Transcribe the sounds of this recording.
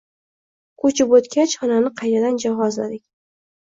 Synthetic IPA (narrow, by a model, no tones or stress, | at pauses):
kʰɵt͡ʃɪpɵt̪kʲat͡ʃχɒnanɪqʰɑjt̪ʰad̪and͡ʒaɦɒzla̰d̪ɪkʲ